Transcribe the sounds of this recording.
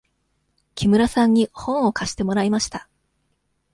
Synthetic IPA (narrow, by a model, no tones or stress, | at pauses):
kʲʰimɯ̟ɾasãɲ̟ːihõ̞ɰ̃o̞kʰaɕi̥t̪e̞mo̞ɾaimaɕi̥t̪a